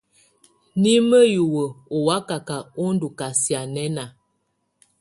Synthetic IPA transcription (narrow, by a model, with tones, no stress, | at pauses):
ni˦mə˦ju˨wə˨o˨wa˦ka˨ka˨o˦n˦du˨ka˨si˨a˨nɛ˦na˨